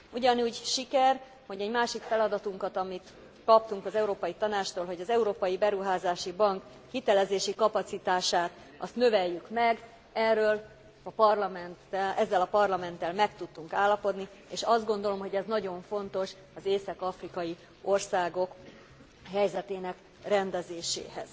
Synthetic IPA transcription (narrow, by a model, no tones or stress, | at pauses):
uɟɒnuːɟʃikɛr | ho̞ɟɛɟmaːʃikfɛlɒd̪ɒt̪uŋkɒt̪ɒmit̪ | kɒp̚t̪uŋkɒzɛuɾoːpɒjit̪ɒnaːt͡ʃt̪oːlɦo̞ɟɒzɛuɾoːpɒjibɛɾuɦaːzaːʃibɒŋk | hit̪ɛlɛzeːʃikɒpɒt̪sit̪aːʃaːt̪ | ɒ̰st̪nøvɛjːykmɛɡ | ɛrːøːl | ɒpɒrlɒmɛnt̪ɛɛzːɛlɒpɒrlɒmɛnt̪ːɛlmɛkt̪ut̪ːuŋkaːlːɒpo̞d̪nieːʃɒzd̪̚ɡo̞n̪d̪o̞lo̞mɦo̞ɟɛznɒɟo̞ɱfo̞nt̪o̞ʃ | ɒzeːsɒkɒfrikɒji | orsaːɡo̞k | hɛjzɛt̪eːnɛk | rɛnd̪ɛzeːʃḛːɦɛ̰z̥